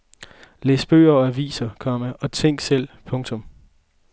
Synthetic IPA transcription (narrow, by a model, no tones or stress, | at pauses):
leːsb̥ø̰ːɐɒæʋḭːsɐkʰɒ̽məʔɒ̽t͡sʰeŋ̰ɡ̥sel̰pʰɔ̽ŋt͡sʰɔ̽m